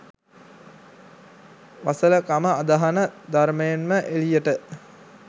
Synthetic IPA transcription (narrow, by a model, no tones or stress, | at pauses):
ʋasələkaməad̪aɦanəd̪aɾməjenməʔelijəʈə